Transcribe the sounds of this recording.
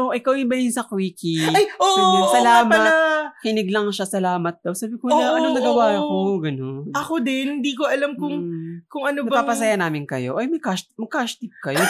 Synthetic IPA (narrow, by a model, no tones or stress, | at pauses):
ʔoʔɪkawɪnbɐlinsɐkwiːkiajomɐnsɐlaːmɐtɐkɪnɪɡlɐŋʃasɐlaːmɐt̪̚d̪ɐwsaːbɪkowlaːɐnoŋnɐɡɐwaːɐkoɡɐno̞nɐkod̪ɛnhɪnd̪iːkoʔɐlamkʊŋkʊŋɐnoɐbɐpaːpɐsɐjanaːmɪnkɐjo̞̰ʔɐjmɐjkasmɐɡkaʃt̪ip̚kɐjo